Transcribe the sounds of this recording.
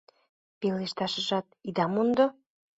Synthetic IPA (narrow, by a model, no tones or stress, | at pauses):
peleʃt̪ɑʃə̆ʒɑt̪̚id̪ɑmund̪o